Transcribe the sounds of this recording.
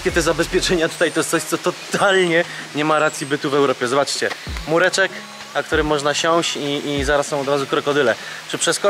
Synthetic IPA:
kʲɛt̪ɛzabɛspʲjɛt͡ʂɛɲat̪ut̪ajt̪ɔjɛst̪sɔɕt̪sɔt̪ɔt̪alɲɛɲɛmaɾat̪sʲjibɘt̪uvɛwɾɔpʲjɛzɔbat͡ʂt͡ɕɛmuɾɛt͡ʂɛk | nakt̪uɾɘmɔʐnaɕɔ̃w̃ɕt͡ɕiizaɾassɔ̃w̃ɔd̪ɾazukɾɛkɔd̪ɘlɛt͡ʂɘpʂɛskɔ

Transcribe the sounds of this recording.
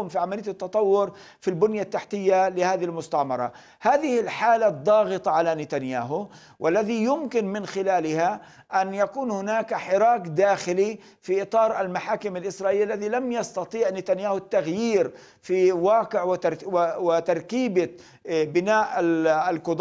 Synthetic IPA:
ʊmfiʕamalɪjat̪ːɑt̪ˤɑwːʊɾ | filbʊnjat̪ːaħt̪ɪjːalɪhaːðɪhɪlmʊst̪aʕmɑ̰ɾˤɑ̰ | haːðɪhɪlħaːlad̪ˤːɑːɣɨt̪ˤɑʕalanɪt̪anjaːɦʊ | wʔalːaðijʊmkɪnmɪnxɪlaːlɪha | ʔanjakuːnhʊnaːkħɪɾˤɑːkd̪aːxɪli | fiʔɨt̪ˤɑːɾˤalmaħaːkɪmalʔɪsɾˤɑːʔɪlːalːaðilamjɑst̪ɑt̪ˤiːʕnɪt̪anjaːhʊt̪ːaɣjiːɾ | fiwɑːqɪʕwwɪt̪ɑɾˤkiːba | bɪnaːʔalkʊd̪ˤ

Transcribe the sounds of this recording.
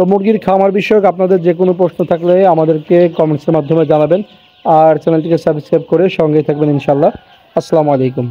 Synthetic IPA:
t̪omuɾɡiɾkʰamaɾbiʃɔjokap̚nad̪eɾd͡ʑek̬onopɾosnot̪ʰakleamad̪eɾkekɔmenseɾmad̪ʱːomed͡ʑanaben | aɾt͡ɕɛnelʈikesaɾbʱiskɾajp̚koɾeʃɔŋɡet̪ʰak̚beninʃaːlːa | ɐsːalamoalejkum

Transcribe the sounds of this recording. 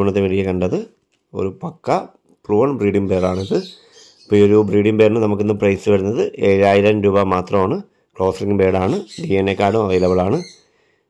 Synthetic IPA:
uɳːɐt̪ːeʋɐɻijɐkɐɳɖɐðɨ | o̞̰ɾupɐkːɐ | pɭuːɐɳbriːɽiŋbe̞ːraːɳiðɨ | pːooɾubriːɽiŋbe̞ːrnɨnɐmuk̬ːenːɨprɐjsɨʋɐɾunːɐðɨʔeːɻaːjiɾɐmɾuːbɐmaːt̪rɐmaːɳɨ | kɭo̞ːsɐriŋɡbe̞ːɽaːɳɨɖiːenːekːaːɽumɐʋɐjlɐʋɐɭaːɳɨ

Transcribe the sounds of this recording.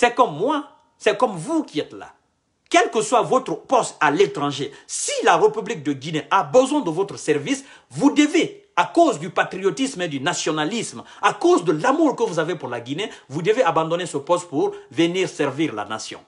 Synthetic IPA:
sɛkɔmːwa | sɛkɔmvukʲiɛt̪la̰ | kɛlkəswavɔt̪χəpɔst̪alet̪ʁɑ̃ʒesilaʁepyblik̚d̪əɡineʔabəzwɛ̃d̪əvot̪χəsɛʁvis | vud̪əve | akozd̪ypat̪ɾiot̪ismed̪ynasjɔnalism | akozd̪əlamuʁkəvuzavepuʁlaɡinevud̪əveabɑ̃d̪ɔnesəpɔst̪̚puʁvəniːʁsɛʁviʁla̰na̰sjɔ̰̃

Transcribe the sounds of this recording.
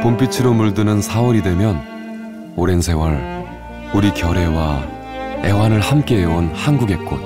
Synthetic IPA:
pompʰit͡ɕʰiɾomuɭdɯnɯnsʰawʌɾidwe̞mjʌn | oɾensʰe̞wʌɾ | uɾikjʌɾe̞wa | e̞wanɯɭhamk͈e̞eonhanɡuɡet̚k͈o̰

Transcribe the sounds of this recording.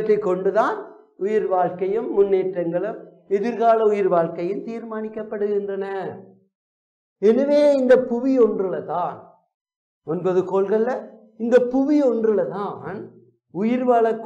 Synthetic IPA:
ʈrɐɪkːɔɳɖɯðaːn | ʊjɪɾʋaːɭkɐjɯmːʊnːeːʈrɐŋɡɐɭɯm | ɛðɪɾɣaːlɐʊjɪɾʋaːɭkɐjɯmt̪iːɾmaːnɪkːɐpːɐɽɯɣɪndrɐnɐ | ɛnɐʋeːɪnd̪ɐpʊʋiɔndrɯlɐt̪aːn | ɔnbɐðɯkoːlɣɐɭlɐ | ɪnd̪ɐpʊʋiɔndrɯlɐt̪aːn | ʊjɪɾʋaːɭɐkː

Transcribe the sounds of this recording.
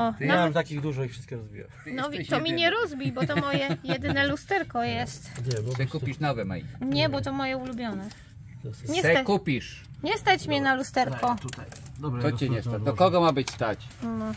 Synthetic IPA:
ɔnaawɛmt̪akʲiɣd̪uʐɔifʂɘst̪̚kʲɛɾɔzbʲḭja̰wnɔvʲt̪ɔmʲiɲɛɾɔzbʲibɔt̪ɔmɔjɛjɛd̪ɘnɛlust̪ɛɾkɔjɛst̪sɛkupʲiʂnɔvɛma̰j̰ɛɲɛbɔt̪ɔmɔjɛulubʲjɔnɛ | ɲɛsɛkupʲiʂ | ɲɛst̪at͡ɕmʲɲɛnalust̪ɛɾkɔt̪ɔt͡ɕɛɲɲɛst̪ad̪ɔkɔɡɔmabɘt͡ɕst̪at͡ɕnɔ

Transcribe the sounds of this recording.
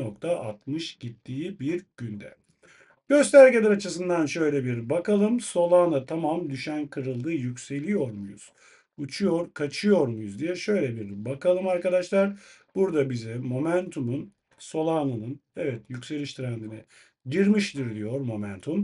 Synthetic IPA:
okt̪ʰaʔa̰t̪mɯʃɟ̥it̪ʰːiːibiɾɟ̥ynd̪ɛ̰ | ɟ̥ø̞st̪ʰæɾɟelʲɛɾat͡ʃʰɯsɯnd̪anʃø̞jlʲɛbiɾbakalˠɯmso̞lˠaːnat̪ʰamamd̪yʃænkʰɯɾɯlˠd̪ɯjycʲse̞lʲijo̞ɾmujṵz̥ | ut͡ʃʰujo̞ɾkʰat͡ʃʰɯjo̞ɾmujuzd̪ijɛʃø̞jlʲɛbiɾbakʰalˠɯmaɾkad̪aʃlˠaɾ | b̥uɾd̪abizɛmo̞mænt̪ʰumun | so̞lˠaːnɯnɯnɛvɛt̪jycse̞lʲiʃt̪ʰiɾænd̪inɛ | ɟiɾmiʃd̪iɾd̪ijo̞ɾmo̞mænt̪ʰum

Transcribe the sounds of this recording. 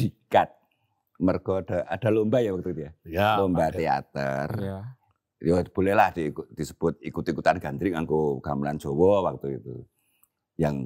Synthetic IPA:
d̥ikat̪̚ | mərɡ̥ɔad̥aʔad̥a̤lombajawak̚t̪ukit̪ijalombat̪ea̰t̪ə̰r | job̥o̤lɛhlahd̪̥ik̪̚d̥isəb̥ʊt̪̚ikut̪ikut̪anɡ̥a̤nd̪ɾɪŋaŋkoɡ̥aməlan̥d͡ʒ̥owɔwak̚t̪uit̪ṵ | jaŋ

